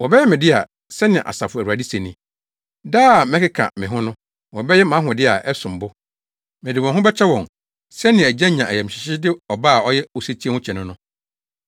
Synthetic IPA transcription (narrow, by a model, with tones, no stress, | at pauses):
wɔ˨bɛ˦jɛ˦mɪ̃˨dɪ˦a˨ | sɛ˦nɪ̃˨ʔa̰˨sa˨fʊ˨wu˨a˨di˦se˨nĩ˨ | daː˦˨mɛ̃˦kɪ˦kʰa̰˨mɪ̃˨ɦʊ̃˦nʊ̃˦ | wɔ˨bɛ˦jɛ˦mã˨˦ɦʊ̃˨dɪ˦a˨ʔɛ˦sʊ̃˨m̩˨bʊ˦ | mɛ̃˨dɪ˨wɔ̃˨ɦʊ̃˦bɛ˦t͡ɕᶣʰɛ˦wɔ̃˨ŋ | sɛ˦nɪ̃˨æ˨d͡ʑã˦ɲã˨æ˨jɛ˨m̩˨ɕɪ˨ɕɪ˦dɪ˦ɔ˨baː˦˨ɔ˦jɛ˦o˨se˦t͡ɕʰi˦ɛ˦hʊ̃˦t͡ɕʰɛ˨nʊ̃˦nʊ̃˦